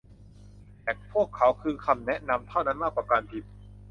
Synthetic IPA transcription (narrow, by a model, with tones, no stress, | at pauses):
t̪ɛː˨˩pʰu˥˩əkʰːa˩˦wkʰɯː˧kʰa˧mnɛ˦˥ʔna˧mt̪ʰa˥˩wna˦˥˩nmaː˥˩kwaː˧˩kaː˧npʰi˨˩t̪̚